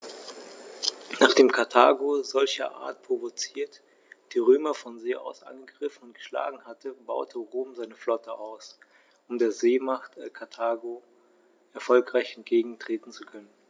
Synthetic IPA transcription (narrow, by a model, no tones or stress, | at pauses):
naːχd̥eːmkʰaɐtʰaːɡozɔlçɐ̰ʔa̰ːɐt̚pʁ̥ovot͡siːɐt | d̥iːʁøːmɐfɔnzeːʔa̰ʊsʔa̰nɡəɡʁɪfn̩ʊnt̚ɡ̥ə̥ʃla̰ːɡŋ̩hatəba̰ʊtʰəʁoːmzaɪnəflɔtʰəʔaʊs | ʔʊmdeːɐzeːmaχtkʰaɐtʰaːɡo | ʔɛɐfɔlkʁ̥aɪçɛntɡ̥eːɡŋ̩tʁ̥eːtn̩t͡sukʰœnən